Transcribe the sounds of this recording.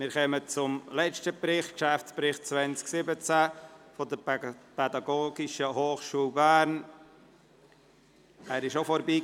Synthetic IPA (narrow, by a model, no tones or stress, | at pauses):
mɪɾkœmət͡sʊmlɛt͡ʃtəpɾɪχkʃæft͡spɾɪχt̚t͡svɛnt͡sksɪbət͡sæfɔdəpɛdɑɡoːɡɪʃəhoːχʃuːlbæːɾn | æːɾɪʃofɔɾbiː